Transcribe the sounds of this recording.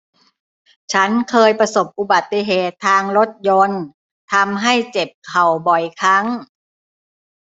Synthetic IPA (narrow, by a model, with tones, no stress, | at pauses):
t͡ɕʰa˦˥nkʰɤː˧jpa˧so˨˩p̚ʔu˧˩ba˨˩t̪ːi˧ɦeː˨˩t̪ʰːaː˧ŋlo˦˥t̪̚jo˧n | t̪ʰa˧mɦa˥˩jt͡ɕe˨˩p̚kʰa˨˩wbɔ˨˩jkʰa˦˥˩ŋ